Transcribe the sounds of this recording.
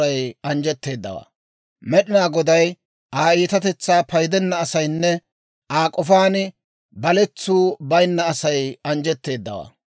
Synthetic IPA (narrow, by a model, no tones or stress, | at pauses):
ɐjɐnd͡ʒɛt̪ːe̞ːd̪ːɐ̰wa̰ː | mɛɗɪnaːɡɔd̪ɐj | ʔaːiːt̪ɐt̪ɛt͡sːaːpɐjd̪ɛnːɐːsɐjnːɛ | ʔaːkʼɔfaːnɪ | bɐlɛt͡sːuːbɐjɪnːɐːsɐjɐnd͡ʒɛt̪ːe̞ːd̪ːɐ̰wa̰ː